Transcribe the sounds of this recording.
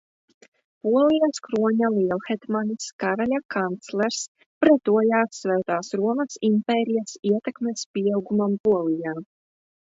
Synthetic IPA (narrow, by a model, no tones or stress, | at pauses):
puɔlˠijaskɾuɔɲalˠiɛlˠxɛt̪maniskaɾalʲakant̪slˠɛɾs | pɾɛt̪uɔjaːsːvɛːt̪aːsɾuɔmɐsimpɛːɾijasiɛt̪ɛkmespʲiawɡumampuɔlˠijaː